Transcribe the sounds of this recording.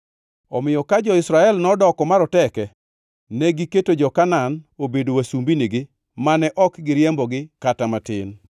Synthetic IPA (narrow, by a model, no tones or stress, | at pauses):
ɔmɪjɔkad͡ʒɔɪsɾaɛlnɔdɔkɔmaɾɔtɛkɛ | nɛɡiketod͡ʒɔkananobedowasumbiniɡɪ | manɛʔɔkɡɪɾjɛmbɔɡɪkatamatɪ̰n